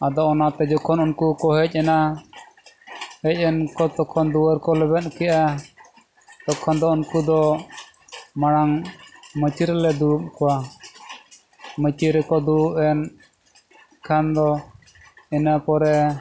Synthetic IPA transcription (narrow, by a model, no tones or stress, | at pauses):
ad̪ɔʔɔnat̪ɛd͡ʒɔkʰɔnunkukɔɦɛc̚ˀɛna | hɛc̚ˀɛnkɔt̪ɔkʰɔnd̪uwəɾkɔlɛbɛt̪̚kɛjʔa | t̪ɔkʰːɔnd̪ɔunkud̪ɔ | maɽ̃aŋmət͡ʃiɾlɛd̪uup̚kɔwa | mət͡ʃiɾɛkɔd̪uuʔɛn | kʰand̪ɔ | ɛnapɔɾɛ